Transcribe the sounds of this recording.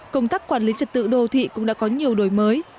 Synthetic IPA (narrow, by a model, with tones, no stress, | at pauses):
kə˧wŋ͡mt̪aː˦˥kːwaː˧˩nli˨˦t͡ɕə˨˩t̚t̪ɨ̰˧˨ɗo˧t̪ʰḭ˧˨kʊ̰˧˥ŋ͡mɗa̰˧˥kɔ˨˦ɲi˨˩əwɗo˧˩jməː˨˦j